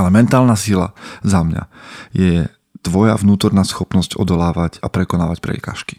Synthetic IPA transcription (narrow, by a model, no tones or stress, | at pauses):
alɛmɛnt̪aːlnaːsila̰zamɲa̰jɛ | t̪ʋɔja̰vnuːt̪ɔɾnaːsxɔpnɔscɔ̰d̪ɔlaːʋacapɾɛkɔnaːʋacpɾɛ̰ka̰ːʃki̥